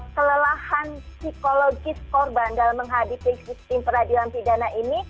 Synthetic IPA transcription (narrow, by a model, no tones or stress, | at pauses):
kələlahansikoloɡɪskɔrbandalamːəŋɦadipisist̪ɪmpəɾadiuanpidanaʔini